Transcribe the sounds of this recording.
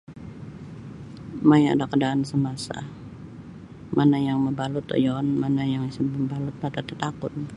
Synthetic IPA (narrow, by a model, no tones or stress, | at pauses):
maja̰dakədaːnsəmasa̰ | mʔanajaŋməmbalʊt̪ɔ̰jɔnmanajaŋisəmbəmbalʊt̪̚nat̪at̪ət̪akʊt̪̚